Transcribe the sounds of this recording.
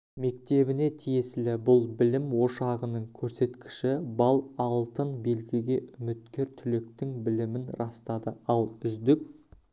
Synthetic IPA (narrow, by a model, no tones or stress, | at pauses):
me̞k̚t̪e̞bɪne̞t̪ʰije̞sɪlɪbʊlˠbɪlɪmwo̞ʃɑʁənəɴkʲʰɵɾse̞t̪kʲɪ̥ʃɪbɑlˠɑlˠt̪ənbe̞lɡʲɪɡʲe̞ʔʏmɪt̪kʲe̞ɾt̪ʰʏlek̚t̪ɪŋbɪlɪmɪnɾɑst̪ɑd̪əɑlˠʏzd̪ɪk